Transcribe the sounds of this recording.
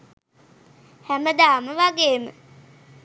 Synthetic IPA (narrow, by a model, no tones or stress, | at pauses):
hæməd̪aːməʋaɡeːmə̰